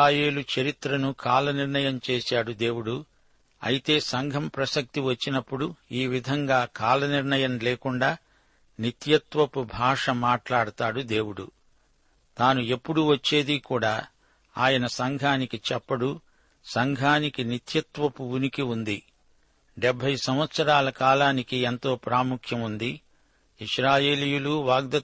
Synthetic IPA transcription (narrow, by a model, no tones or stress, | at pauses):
aːje̞ːlut͡ʃɐɾit̪ɾɐnukʰaːlɐniɾɳɐjɐmt͡ʃeːsaːɽud̪e̞ːwuɽu | ɐ̰jit̪e̞ːsɐŋɡʱɐmpɾɐsɐk̚t̪iʋɐt͡ʃːinɐpːuɽuiːʋid̪ʱɐŋɡaːkaːlɐniɾɳɐjɐmleːkuɳɖaː | nit̪jɐt̪ʋɐpubʱaːʂɐmaːʈlaːɽut̪aːɽud̪e̞ːwuɽṵ | t̪aːnue̞pːuɽuʋɐt͡ʃːe̞ːd̪ikuːɽaː | aːjɐnɐsɐŋɡʱaːnikit͡ʃɛpːɐɽu | sɐŋɡʱaːnikinit̪jɐt̪ʋɐpuunikiund̪i | ɖɛbʱːɐjsɐmʋɐt̪sɐɾaːlɐkaːlaːnikient̪o̞ːpɾaːmukʰjɐmund̪i | iʂɾaːje̞ːlijuluʋaːɡ̚d̪ɐ